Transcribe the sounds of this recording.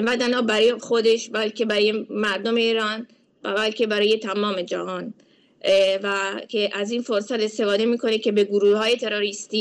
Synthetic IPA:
væd̪ænɒːbæɾxod̪eʃbælkʲʰebæɾɔːjemæɾd̪ome̞iːɾɒːn | bælkʰe̞bæɾɒːje̞t̪ʰæmɒːme̞d͡ʒæ̰hɒːn | vækʰeʔæziːnfoɾsæt̪e̞st̪e̞fɒːd̪emiːkʰo̞nekʰe̞be̞ɡoɾuːhhɒːjet̪ʰe̞ɾoɾist̪iː

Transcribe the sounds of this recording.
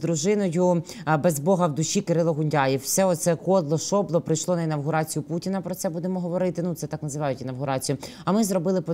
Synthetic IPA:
d̪ɾuʒɪnɔjʊ | bɛzbɔɦɐwd̪ʊʃikeɾɪlˠɔɦʊnʲdʲɑjiwsɛɔt̪sɛkɔd̪lˠɔʃɔblˠɔpɾɪjʃlˠɔnɐinɐwɦʊɾɑt͡sʲijʊputʲinɐpɾɔt̪sɛbud̪emɔɦɔʋɔɾɪt̪ɪnut̪sɛt̪ɑknɐzɪʋɑjʊtʲinɐwɦʊɾɑt͡sʲijʊ | ɐmɪzɾɔbɪlˠɪpɔ

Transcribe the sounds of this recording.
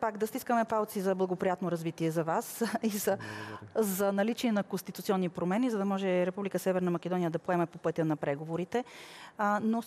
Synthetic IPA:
paɡd̪ɐst̪iskəmɛfalˠt̪sizɐblˠɐɡopɾijat̪noɾɐzvit̪iɛzɐvasizɐ | zɐnɐlit͡ʃiɛnɐkonst̪it̪ut̪siɔnːipɾomɛnizɐd̪ɐmɔʒɛɾɛpublikəsɛvɛɾnɐmɐkɛd̪ɔnijəd̪ɐpoɛmɛpopɤt̪ʲənɐpɾɛɡovoɾit̪ɛ | no

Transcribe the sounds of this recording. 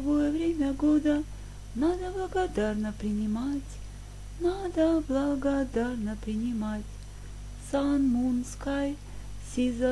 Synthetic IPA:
vojəvɾʲemʲəɡod̪ə | nad̪əblˠəɡad̪arnəpɾʲɪnʲɪmatʲ | nad̪əblˠɐɡad̪arnəpɾʲɪnʲɪmatʲ | sanmunskaj | sʲizə

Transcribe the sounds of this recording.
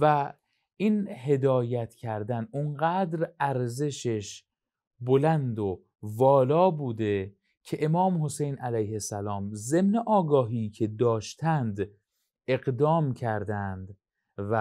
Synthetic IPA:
væ | inɦe̞d̪ɒːjæt̪ʰcʰæɾd̪ænunɢæːd̪ɾæɾze̞ʃeʃ | bolænd̪o | vɒːlɒːbuːd̪e̞ | cʰe̞ʔemɒːmho̞se̞jnʔælæjhe̞sælɒːmze̞mneʔɒːɡɒːɦiːcʰe̞d̪ɒːʃt̪ʰænd̪ | e̞ɣd̪ɒːmcʰæɾd̪ænd̪ | væ

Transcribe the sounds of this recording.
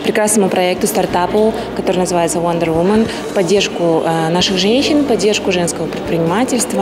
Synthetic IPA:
pɾʲɪkɾasnəmʊpɾɐɛk̚t̪ʊst̪art̪apʊ | kɐt̪o̞ɾɨnəzɨvajɪt̪səvɐnd̪ərvumən | pɐdʲːerʂkʊnaʂɨxʐɛnʲɕɪnpɐdʲːe̞rʂkʊʐɛnskəvəpɾʲɪt̪̚pʲɾʲɪnʲɪmatʲɪlʲst̪və

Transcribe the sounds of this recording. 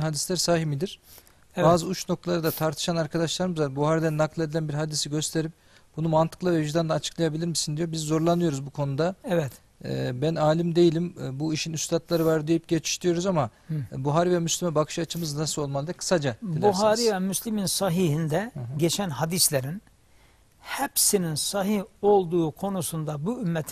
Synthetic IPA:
nɦad̪islʲæɾsaːɦimid̪iɾ̥ | baːzɯut͡ʃno̞kt̪ʰalˠaɾɯd̪at̪ʰaɾt̪ʰɯ̥ʃanaɾkʰad̪aʃlˠaɾɯmɯzabuhaːɾid̪ænːaklˠe̞d̪ilʲænbiɾɦad̪isiɟø̞st̪ʰe̞ɾip | b̥unumant̪ʰɯ̥klˠavɛjyʒd̪and̪aːt͡ʃʰɯklˠajabilʲiɾmisind̪ijo̞bizːo̞ɾlˠanɯjo̞ɾuzbukʰo̞nud̪aɛvɛt̪ː | bænaːlʲimd̪e̞jilʲimbuiʃinyst̪ʰat̪lˠaɾɯvaɾd̪ejip̚ɟet͡ʃʰi̥ʃt̪ʰijo̞ɾuzamabuɦaːɾivɛmyslʲimɛbakʰɯ̥ʃat͡ʃʰɯmɯznasɯlo̞lˠmalˠɯd̪ɛkʰɯ̥sad͡ʒad̪ibʲuɦaːɾivɛmyslʲiminsaɦiɦind̪ɛɟet͡ʃʰænɦad̪islʲeɾin | hɛpsininsaɦiho̞lˠd̪uːkʰo̞nusund̪abuymːɛt̪ʰ

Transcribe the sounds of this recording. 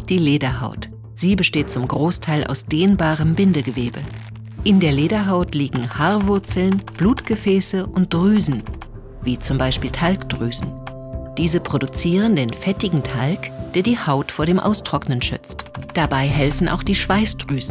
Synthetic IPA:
d̥iːleːdɐɦaʊt | z̥iːbəʃteːt̚t͡sʊmɡʁoːstʰaɪlʔa̰ʊsd̥eːnbaːʁəmbɪndəɡəveːbə | ʔɪndeːɐleːdɐɦaʊtliːɡŋ̩haːɐvʊɐt͡sl̩nb̥luːtɡ̥əfɛːsəʔʊnt̚d̥ʁyːzn̩ | viːt͡sʊmbaɪʃpiːltʰalkd̥ʁyːzn̩ | d̥iːzəpʁ̥odut͡siːʁəndeːnfɛtɪɡŋ̩tʰalkd̥eːɐdiːhaʊtfoːɐdeːmʔa̰ʊstʁ̥ɔknənʃʏ̰t͡std̥abaɪɦɛlfn̩ʔa̰ʊxd̥iːʃv̥aɪsd̥ʁyːzn̩

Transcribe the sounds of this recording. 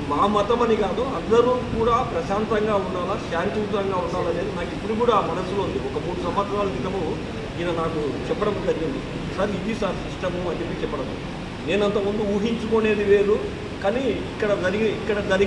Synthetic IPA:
maːmɐt̪ɐmɐnikaːd̪uɐnd̪ɐɾuːkuːɽaːpɾɐʃaːnt̪ɐŋɡaːuɳɖaːlaːʃaːnt̪iʋt̪ɐŋɡaːuɳɖaːlɐneːd̪inaːkipːuɽikuːɽamɐnɐsːuloːund̪iɔkɐmuːɽusɐmʋɐt̪sɐɾaːlɐt̪it̪ɐmu | inɐnaːkut͡ʃɛpːɐɽɐmuʈ̪ɐnːund̪i | sɐɾid̪isɐɾsiʂʈɐmuɐnt͡ʃepːit͡ʃɛpːɐɽɐd̪ṵ | ne̞ːnɐnt̪ɐmund̪uuːɦiɲt͡ʃukone̞ːd̪ile̞ːd̪u | kaːniikːɐɽɐd͡ʒɐɾiɡiikːɐɽɐd͡ʒɐɾi

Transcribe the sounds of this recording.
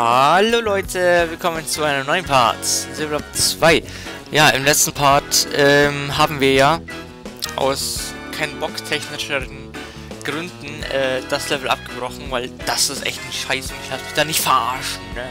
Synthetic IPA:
haaloːlɔʏtʰəvɪlkʰɔmənt͡suaɪnəmnɔʏənpʰaɐtzilapt͡sv̥aɪ | jaːʔɪmlɛt͡stn̩pʰaɐtʔɛːmɦaːbm̩viːɐjaː | ʔa̰ʊs | kʰaɪnnbɔktʰɛçnɪʃəʁən | ɡ̥ʁʏndn̩ʔɛːd̥aslɛvl̩ʔa̰p̚ɡ̥əb̥ʁɔxn̩vaɪld̥asɪstʔɛ̰çtn̩ʃaɪsɪhastmɪçd̥aːnɪçtfɛɐʔa̰ɐʃn̩nə

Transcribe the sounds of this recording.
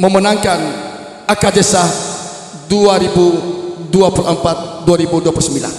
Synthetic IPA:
məmənaŋkan | akad͡ʒesah | duaɾibuduapuləmpat̪̚duaɾibuduapulusəmbila̰n

